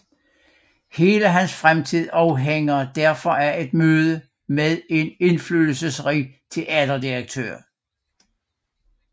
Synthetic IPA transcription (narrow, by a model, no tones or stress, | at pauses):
he̝ːləɦænsfʁamt͡sʰið̞̰ˠɑ̈ʊɦeŋɐd̥æɐfɒ̽æɐe̝d̥møːð̞ˠə | meðˠe̝ne̝nflyːl̩səsʁḭːt͡sʰe̝lʔædɐd̥iʁɐɡ̥̚t͡sʰø̰ːɐ̰